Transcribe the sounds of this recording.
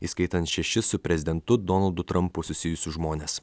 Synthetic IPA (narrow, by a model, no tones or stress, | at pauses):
iːskɐɪt̪ɐnt̪ʃʲɛʃʲɪsʊpʲɾʲɛzʲɪd̪ʲɛnt̪ʊd̪ɔnɐlˠd̪ʊt̪ɾʔɐmpʊsʊsʲɪjʊsʲʊʒmoːnʲeːs